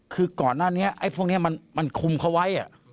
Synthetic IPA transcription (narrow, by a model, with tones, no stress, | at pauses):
kʰɯː˧kɔː˨˩nːaː˥˩ni˦˥ɐʔa˦˥˩jpʰu˥˩kni˦˥ɐma˧nma˧nkʰu˧mkʰa˦˥wa˦˥jʔa̰˨˩ʔ